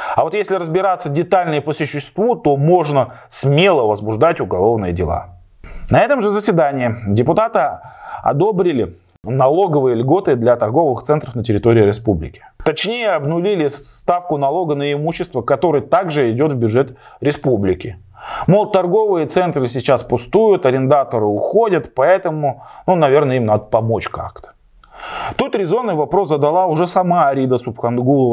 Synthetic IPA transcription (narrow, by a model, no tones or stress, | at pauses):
ɐvo̞t̪jesʲlʲɪɾəzbʲɪɾat̪sːədʲɪt̪alʲnɨjəpəsʊɕːɪst̪vut̪o̞mo̞ʐnə | smʲe̞lˠəvəzbʊʐd̪atʲʊɡɐlˠo̞vnɨjədʲɪ̰lˠa̰ | nɐɛt̪əmʐɨzəsʲvʲɪd̪anʲɪɪdʲɪpʊt̪at̪ɨɐ̰d̪o̞bɾʲɪlʲɪ | nɐlˠo̞ɡəvɨjəlʲɡo̞t̪ɨd̪lʲɐt̪ɐrɡo̞vɨxt̪sɛnt̪ɾəfnətʲɪɾʲɪt̪o̞ɾʲɪːɾʲɪspublʲɪ̰kʲɪ̥t̪ɐt͡ɕnʲejəɐbnʊlʲilʲɪsst̪afkʊnɐlˠo̞ɡənəɪmuɕːɪst̪vəkɐt̪o̞ɾɨjət̪aɡʐɨɪdʲo̞t̪vbʲjʊʐɛt̪ | ɾʲɪspublʲɪkʲɪ | molˠt̪ɐrɡo̞vɨjət̪sɛnt̪rɨsʲɪt͡ɕaspʊst̪ujʊt̪ɐɾʲɪnd̪at̪əɾɨʊxo̞dʲət̪pɐɛt̪əmʊnunɐvʲe̞rnəimnad̪əpɐmo̞t͡ɕka̰kt̪ə̥ | t̪ut̪ɾʲɪzo̞nːɨjvɐpɾo̞szəd̪ɐlˠaʊʐɛsɐmaɾʲid̪əsʊpxɐnɡulˠəv